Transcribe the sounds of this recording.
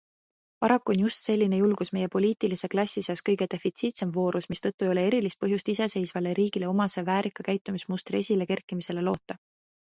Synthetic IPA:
pɑɾɑkːuo̞njust̪se̞lʲːinejulɡ̥usme̞je̞po̞lʲiːt̪ilise̞klɑsʲːiseɑskɤjɡe̞d̪̥e̞fit̪siːt̪se̞mvo̞ːɾusmist̪ɤ̞t̪ːˑuejo̞le̞e̞ɾilist̪̚pɤɦjust̪ise̞se̞jsvɑleɾiːɡ̥ile̞o̞mɑsevæːɾikːˑɑkæjt̪ːˑumismust̪rie̞sʲile̞ke̞rkːˑimise̞le̞lo̞ːt̪ˑːɑ

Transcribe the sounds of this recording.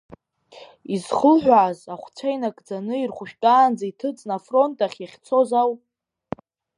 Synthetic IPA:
izχəlħᶣʷaʕːzaχʷt͡sʷʰajnakʼd͡zanɨirχʷʊʃᶣtʼaːnd͡zaitʰɨt͡sʼnafro̞ntʼaχʲjaχʲt͡sʰo̞zaw

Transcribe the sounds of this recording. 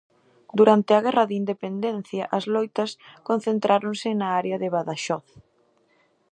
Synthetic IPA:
d̪uɾant̪ɪɐɣɛrɐðɪind̪epend̪ɛnθjɐʔɐzlɔjt̪ɐskon̟θent̪ɾaɾoŋsɪnaaɾeɐðɪβaðaʃɔθ

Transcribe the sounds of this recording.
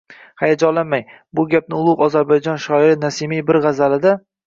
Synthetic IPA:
hajad͡ʒɒlːanmaj | bʊɡʲap̚nɪʊlˠʊqɒzaɾbajd͡ʒɒnʃɒɪɾɪnasɪmijbɪɾʁazalɪd̪a

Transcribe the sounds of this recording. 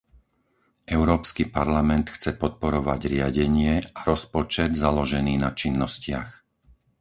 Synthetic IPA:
ʔɛʊɾɔːpskipaɾlamɛnt̪xt͡sɛpɔt̪̚pɔɾɔʋa̰ɟɾɪaɟɛɲɪɛaɾɔspɔt͡ʃɛd̪zalɔʒɛniːnat͡ʃinːɔscɪa̰x

